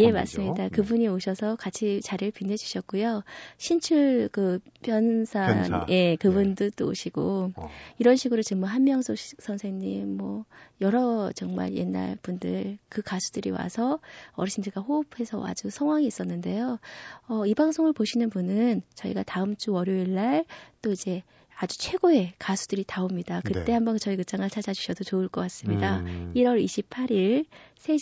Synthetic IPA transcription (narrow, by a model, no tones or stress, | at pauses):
je̞ma̰s͈ɯmɲidakɯbuɲioɕʰʌsʰʌkat͡ɕʰit͡ɕaɾɯɭpinɦe̞d͡ʑu̥ɕʰʌt̚k͈ujoɕʰint͡ɕʰuɭkɯpjʌnsʰanjʔe̞kɯbundɯt͈oo̰ɕʰiɡ̥o | iɾʌnɕʰiɡɯɾot͡ɕɯŋmoɦanmjʌŋsʰoɕk̚sʰʌnsʰe̞ŋɲimːʌjʌɾʌt͡ɕʌŋma̰ɭje̞̰nːa̰ɭpundɯɭkɯkasʰu̥dɯɾḭwa̰sʰʌʌɾɕʰindɯɭɡaɸopʰe̞sʰʌa̰d͡ʑusʰʌŋɦwaŋiːs͈ʌnːɯnde̞joʌibaŋsʰoŋɯɭpoɕʰinɯnpunɯnt͡ɕʌḭɡataɯmt͡ɕ͈uwʌɾjoiɭːaɭt͈oid͡ʑe̞ | ad͡ʑut͡ɕʰwe̞ɡoe̞kasʰud̥ɯɾitaomɲidakɯt͈e̞hambʌnt͡ɕʌikɯt͡ɕ͈aŋaɭt͡ɕʰad͡ʑad͡ʑuɕʰʌdot͡ɕoɯɭk͈ʌk͈as͈ɯmɲidaiɾʌɭiɕʰip̚pʰaɾiɭsʰe̞